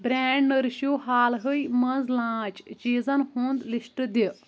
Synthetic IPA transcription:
bɾʲɛːɳɖnəɾʃjoːɦaːlɦəjmɐnzlãːt͡ʃt͡ʃiːzɐnhõːnd̪lisʈd̪i

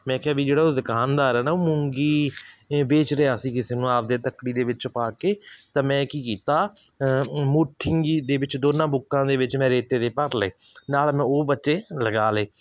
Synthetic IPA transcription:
mɛ̃ːkɪaːʋiːd͡ʒeːɽaːoːd̪ɪkaːnd̪aːɾɛːnaːoːmʊ̃ŋɡiː | beːt͡ʃɾeaːsĩːkɪseːnũːaːp̚d̪eːt̪əkːɽiːd̪eːʋɪt͡ʃpaːkeːt̪ãːmɛ̃ːkiːkiːt̪aː | muːʈʰːɪŋɡiːd̪eːʋɪt͡ʃd̪oːnãːbʊkːãːd̪eːʋɪt͡ʃmɛ̃ːɾeːt̪eːd̪eːpəɾleː | naːlmɛ̃ːoːbətːʃeːləɡaːleː

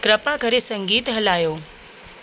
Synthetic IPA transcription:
kɾɐpakʰɐɾesɐ̃ŋɡiːt̪ɦɐlaːjoː

